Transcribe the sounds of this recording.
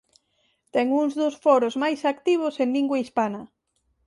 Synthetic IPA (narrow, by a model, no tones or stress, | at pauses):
t̪ɛŋuŋzðʊsfɔɾʊzmajsakt̪iβ̞ʊseŋliŋɡwaispanɐ